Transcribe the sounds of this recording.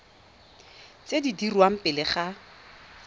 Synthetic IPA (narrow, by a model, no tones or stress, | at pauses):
t͡sʼedidirwam̩pʼɪlɪχa